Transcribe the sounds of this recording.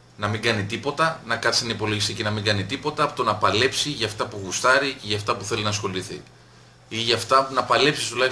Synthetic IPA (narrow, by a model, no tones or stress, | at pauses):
nɐmiŋɡɐnit̪ipo̞t̪ɐnɐkɐt̪sɐnipo̞lo̞ʝist̪icinɐmĩŋɡɐnit̪ipo̞t̪ɐːpot̪onɐpɐle̞psiʝɐft̪ɐpuɣust̪ɐɾiceʝɐft̪ɐpuθe̞linɐsxo̞liθḭ | iʝɐft̪ɐnɐpɐle̞psi̥st̪ulɐç